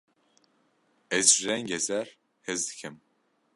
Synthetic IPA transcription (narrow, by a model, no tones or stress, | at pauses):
ɛzʒiɾɛŋɡɛzɛɾ | hɛzd̪ɨ̥kʰɨm